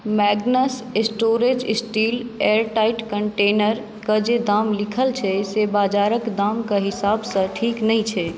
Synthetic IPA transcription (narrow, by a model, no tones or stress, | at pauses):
mɛɡnəsesʈoɾed͡ʒsʈileɾʈaɪʈkəɳʈenəɾ | kəd͡ʒed̪amlikʰəlt͡ʃʰɛsebad͡ʒaɾəkd̪amkəɦisabsə̃ʈʰiːknəɦĩt͡ʃʰɛ